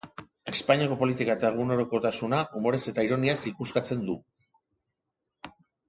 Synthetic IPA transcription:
e̞spaɲiako̞po̞lit̪ikaet̪aeɣ̞uno̞ɾoko̞t̪asunaʔumo̞ɾe̞se̞t̪aiɾo̞niasikuskat͡se̞nd̪u

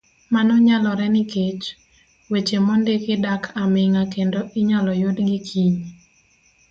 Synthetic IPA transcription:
manɔɲalɔɾɛnɪket͡ʃ | wet͡ʃemɔndekɪdakʰamɪŋakendoʔɪɲalɔjodɡɪkʰiɲ

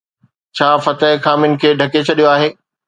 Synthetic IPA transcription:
t͡ɕʰaːfɐt̪əɪxaːmɪnɪ̆kʰeːɖʱɐket͡ɕʰɐɗijoaːɦeː

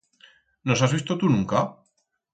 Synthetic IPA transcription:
no̞sazβist̪ot̪unũŋka

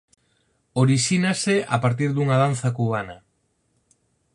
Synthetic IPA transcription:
oɾiʃinasea̰paɾt̪̬iɾðuŋaðan̟θakuβ̞ana

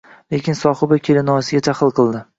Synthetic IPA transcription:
le̞kʲɪnsɒχɪbakʲʰelɪnɒsɪɡʲat̪ʰaχɨlˠqʰɨlˠd̪ɪ

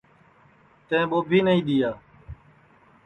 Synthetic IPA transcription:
t̪ẽːɓoːbʱiːnəĩːɗ̪iːjaː

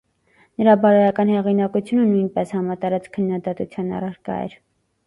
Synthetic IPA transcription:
nəɾɑbɑɾɔjɑkɑnhɛʁinɑkut͡sʰjunənujnpɛshɑmɑt̪ɑɾɑt͡skʰənːɑd̪ɑt̪ut͡sʰjɑnɑ̰rɑɾkɑ̰ɛ̰ɾ

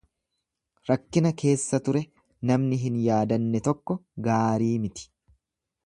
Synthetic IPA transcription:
ɾɐkːɪnɐkʰe̞ːsːɐt̪ʊɾɛ | nɐmnɪɦɪnjaːd̪ɐnːɛt̪ɔkːɔɡaːɾiːmɪt̪ɪ̥

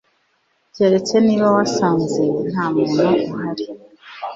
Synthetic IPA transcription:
ɟeɾe̞t͡se̞niːβawasaːnzen̥haːmŋenauɦaɾi

